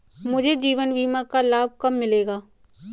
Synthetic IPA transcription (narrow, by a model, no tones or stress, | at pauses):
mʊd͡ʒʱed͡ʒiːʋənbiːmakalaːb̚kɐmːɪleːɡaː